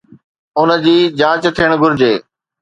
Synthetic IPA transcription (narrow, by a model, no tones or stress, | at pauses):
ʊnəd͡ʑiːd͡ʑãːt͡ɕt̪ʰiəɽ̃ɡʱʊɾɪd͡ʑeː